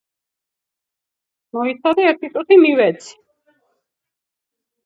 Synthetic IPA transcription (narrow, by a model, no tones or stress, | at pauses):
mɔit̪sʰad̪ɛɛɾt̪ʰit̪ʼut̪ʰimiwɛt̪sʰi̥